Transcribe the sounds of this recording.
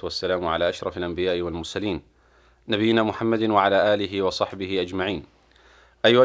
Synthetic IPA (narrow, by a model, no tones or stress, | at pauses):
ʊwasːalaːmʊʕa̰laːʔaʃɾˤɑfalʔambɪjaːʔɪwalmʊɾˤsaliːn | nabɪjːɪnaːmʊħamːad̪nwaʕalaːʔaːlɪɦɪwɑsˤɑħbɪhɪʔad͡ʒmaʕiːn | ʔajːʊʔa